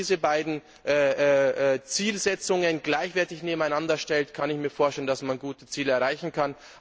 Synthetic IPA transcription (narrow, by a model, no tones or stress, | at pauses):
iːzəbaɪdn̩ | ʔɛːɛɛt͡siːlzɛt͡sʊŋənɡlaɪçv̥ɛɐtɪçneːbm̩aɪnandɐʃtɛltkʰanɪçmiːɐfoːɐʃtɛləndasmanɡuːtə̥t͡siːləɐʁaɪçn̩kʰan